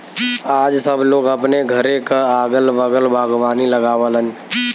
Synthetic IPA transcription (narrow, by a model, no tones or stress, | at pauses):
aːd͡ʒsəbʱloːɡəpneɡʱəɾekaaːɡəlbəɡəlbʱaːɡaːniləɡaːʋələn